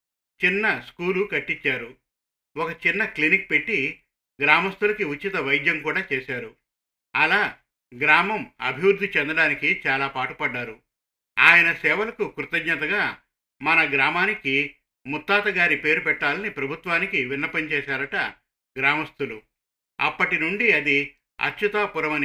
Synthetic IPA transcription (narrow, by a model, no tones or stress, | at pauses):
t͡ʃinːɐskuːlukɐʈːit͡ʃːaːɾu | wɔkɐt͡ʃinːɐklinik̚pe̞ʈːi | ɡɾaːmɐst̪ulɐkiut͡ʃːit̪ɐʋɐjd̪jɐmkuːɽaːt͡ʃeːsaːɾu | ɐlaː | ɡɾaːmɐmɐ̰bʱiʋɾud̪ʱit͡ʃɛnd̪ɐɽaːnikit͡ʃaːlaːpaːʈupɐɖːaːɾu | aːjɐnɐsɛːʋɐlɐkukɾut̪ɐɡɲɐt̪ɐɡaː | mɐnɐɡɾaːmaːniki | mut̪ːaːt̪ɐɡaːɾipe̞ːɾupɛʈːaːlɐnipɾɐbʱut̪ʋaːnikiʋinːɐpɐɲt͡ʃɛːʃaːɾɐʈɐ | ɡɾaːmɐst̪ulu | ɐ̰pːɐʈinuɳɖiɐd̪i | ɐ̰t͡ʃːut̪aːpuɾɐmɐn